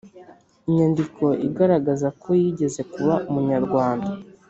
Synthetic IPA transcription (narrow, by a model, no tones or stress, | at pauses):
iɲandikʰo̞ʔḭɡaɾaɡazakʰo̞jiɟe̞ze̞kuβaʔumuɲaɾɡwaːnda